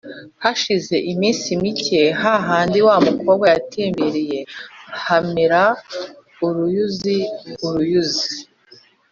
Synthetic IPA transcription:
haʃize̞ʔimiːnsimice̞ɦaɦaːndiwaːmuko̞ːβɡajatʰeːmbeɾije̞hameɾa | uɾujuziuɾujuzi̥

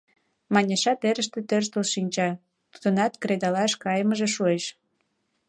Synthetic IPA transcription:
mɑnʲeʃɑt̪eɾəʃt̪et̪ørʃt̪olʃinʲt͡ɕɑ | t̪u̥d̪ənɑt̪kɾed̪ɑlɑʃkɑjəməʒeʃueʃ

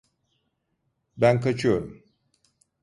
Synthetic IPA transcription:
bænkʰat͡ʃʰɯjo̞ɾum

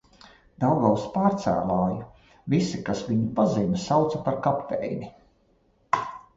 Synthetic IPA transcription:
d̪̥awɡawspaːɾt̪sæ̰ːlˠaːju | visikasviɲupazinsawt̪sɐpaɾkapt̪ɛ̰jnʲi

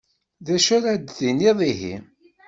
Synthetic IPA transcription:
ðæʃʊɾæd̪ðiniðˤiɦḭ

